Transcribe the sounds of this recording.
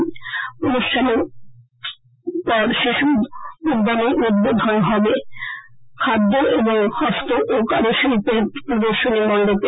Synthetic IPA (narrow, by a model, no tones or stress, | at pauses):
onuʃʈʰane | pɔɾʃeʃuud̪ːaneɾud̪bod̪ʱonɦɔbe | kʰad̪ːoʔeboŋhɔst̪oʔokaɾoʃopepɾod̪oɾʃonimɔɳɖope